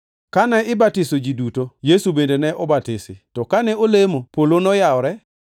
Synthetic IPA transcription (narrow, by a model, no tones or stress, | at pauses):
kanɛɪbatɪsod͡ʒidutojesubendenɛʔɔbatɪsɪtɔkanɛolemopolonɔjaɔɾɛ